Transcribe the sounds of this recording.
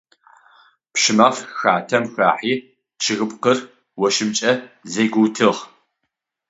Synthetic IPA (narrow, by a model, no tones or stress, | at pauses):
pʃɪmɐfxaːtʰɐmxa̰ːħiː | t͡ʃʰɨɣɨpʼqər | wɔʃɪmt͡ʃʼɐzeːɡʷʊwtʰɨʁ